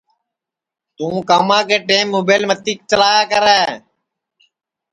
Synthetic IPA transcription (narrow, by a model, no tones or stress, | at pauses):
t̪ũːkaːmãːkeːʈeːmːoːbeːlmət̪iːk̚t͡ʃəlaːjaːkəɾeː